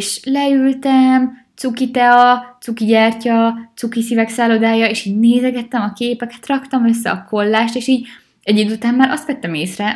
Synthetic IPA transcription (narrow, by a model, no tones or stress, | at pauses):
ʃlɛylt̪ɛmt̪sukit̪ɛɒt̪sukiɟaːrcɒt̪sukisivɛksaːlod̪aːjɒeːʃiːɟneːzɛɡɛt̪ːɛmɒkeːpɛkɛt̪rɒkt̪ɒmøsːɛ̰ɒko̞lːaːʃt̪eːʃiːɟ | ɛɟid̪ut̪aːmːaːɾɒ̰st̪ʋɛt̪ːɛmeːsrɛ